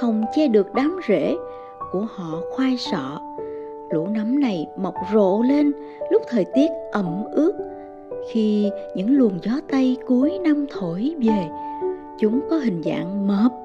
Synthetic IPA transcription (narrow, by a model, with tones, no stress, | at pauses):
xə˨˩wŋ͡mt͡ɕɛ˧ɗɨ˨˩ək̚ɗaː˨˦mzḛ˧˥ | ku˧˩əhɔ̰˧˨xwaː˧jsɔ̰˧˨ | lṵ˧˥na˨˦mna˨˩jmə˨˩wk͡p̚zo̰˧˨le˧n | lʊ˦˥k͡p̚t̪ʰəː˨˩jt̪i˦˥ət̚ʔə˧˩mʔɨ˦˥ək̚ | xi˧ɲɨ̰˧˥ŋlu˨˩ənzɔ˨˦t̪a˧jku˨˦əjna˧mt̪ʰo˧˩jve˨˩ | t͡ɕʊ˨˦ŋ͡mkɔ˨˦ɦï˨˩ŋ̟za̰ː˧˨ŋməː˨˦˩p̚